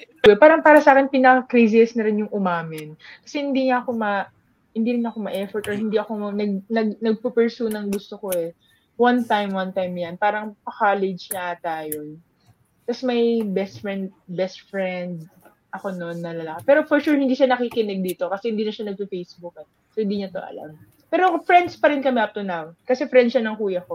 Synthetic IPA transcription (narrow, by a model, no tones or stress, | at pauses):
wɛpaːɾɐŋpaːɾɐsaːkɛnpɪnɐkɐkɾisɪɛsnɐɾɪnjʊŋʔʊmaːmɪnkɐ̥sɛhɪnd̪iːŋaʔɐko̞mɐ | hɪnd̪iːɾɪnɐko̞mɐʔɛfɔɹt̪ɔɹhɪnd̪iʔɐko̞ɐnɐɡ̚nɐɡnɐɡ̚pɐpɛɹsuːnɐŋɡʊst̪oko̞ʔɛ | want̪ajmwant̪ajmjɐnpaːɾɐŋpɐkalɪd͡ʒnɐt̪aːjo | t̪ɐsɛmɐjbɛst̪fɹɛnd̪bɛst̪fɹɛnd̪̚ | ʔɐko̞no̞nːɐlɐlakɐpɛːɾofɔɹʃuɹhɪ̃nd̪iːʃanɐkikɪnɛɡ̚d̪iːt̪o̞kɐsɛhɪnd̪iːnɐʃanɐɡ̚pɐfejsbuk̚ɛ | sohɪnd̪iːɲɐt̪o̞̰ʔɐ̰la̰m | pɛːɾofɹɛnd̪spɐɾɪnkɐmɛʔɐp̚t̪ʊnawkɐsɛfɾɛnd̪ʃɐnɐŋkuːjɐko̞